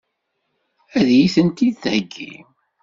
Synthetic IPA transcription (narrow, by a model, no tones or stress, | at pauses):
æðjiθənt̪iθhəɡːḭm